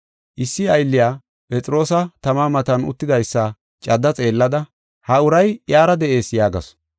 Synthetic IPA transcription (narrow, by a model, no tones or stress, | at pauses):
ʔɪsːɪɐjlːɪjaː | pʼɛt͡sʼɾo̞ːsɐt̪ɐmaːmɐt̪ɐnʊ̰t̪ːɪd̪ɐjsːɐ | t͡ʃʼɐd̪ːɐt͡sʼe̞ːlːɐd̪ɐ | hɐʊɾɐjjaːɾɐd̪ɛʔe̞ːsjaːɡɐ̰s